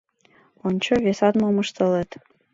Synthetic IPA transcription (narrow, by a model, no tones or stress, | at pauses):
onʲt͡ɕoβesɑt̪momɤʃt̪ɤlet̪